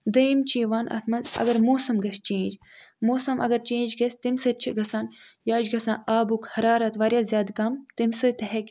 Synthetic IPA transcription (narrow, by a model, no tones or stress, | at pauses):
d̪ɐimt͡ʃiːʋaːnʔɐ̰t̪ʰmɐnzɐ̰ɡɐɾmoːsɐmɡɐʃt͡ʃẽːd͡ʒmoːsɐmɐ̰ɡɐɾt͡ʃẽːd͡ʒɡɐsʲt̪imsɨt͡ʃʰiɡɐsaːn | jaːd͡ʒɡɐsãːaːbukhɐɾaːɾɐt̪ʋaːɾjaːzʲjaːd̪kɐmt̪imsɨt̪ɐɦekʲ